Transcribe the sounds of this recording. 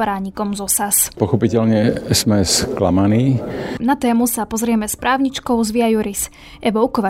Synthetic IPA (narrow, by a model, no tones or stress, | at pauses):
ɾaːɲikɔmzɔsaspɔxɔpicɛlɲɛz̥mɛskla̰maniːnat̪ɛːmusapɔzɾɪɛmɛspɾʔaːʊɲit͡ʃkɔʊzʋiajuɾis | ʔɛʋɔʊkɔʋa